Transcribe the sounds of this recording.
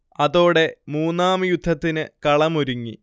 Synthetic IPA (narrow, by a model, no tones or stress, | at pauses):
ɐðo̞ːɽe̞muːnːaːmɨjud̪ʱːɐt̪ːinɨkɐɭɐmoɾuŋːḭ